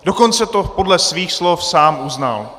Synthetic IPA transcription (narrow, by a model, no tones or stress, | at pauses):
doko̞nt͡sɛt̪opo̞dlɛsviːxslofsaːmuzna̰l